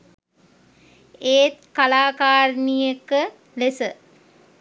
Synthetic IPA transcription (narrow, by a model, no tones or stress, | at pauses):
eːt̪̚kalaːkaːɾnijəkə | lesə